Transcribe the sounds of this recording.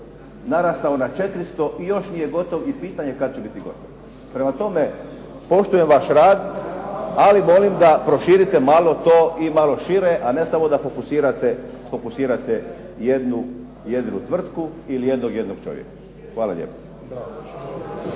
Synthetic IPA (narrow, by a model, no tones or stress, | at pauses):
naɾast̪aonat͡ʃe̞t̪ɾist̪o̞ʔijo̞ʃnije̞ɡo̞t̪oʋipiːt̪aɲe̞kad̪̚t͡ɕebit̪iɡo̞̰t̪oʋ | pɾe̞mat̪o̞me̞ | po̞ʃt̪uje̞mʋaʃɾaːd̪ | alimo̞limd̪apɾo̞ʃiːɾit̪e̞malˠo̞t̪o̞ːʔimalˠo̞ʃiɾeʔane̞samo̞d̪afo̞kusiːɾat̪efo̞kusiːɾat̪e | jed̪nu | jed̪inut̪ʋr̩t̪kuilije̞d̪noɡje̞d̪noɡ̥̚t͡ʃo̞̰ʋjḛkḁ | xʋaːla̰ʎḛpḁ